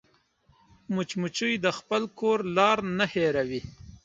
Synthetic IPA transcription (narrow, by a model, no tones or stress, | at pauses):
mʊt͡ʃmut͡ʃujd̪əxpəlkoːɾlɑːɾnaheɾawi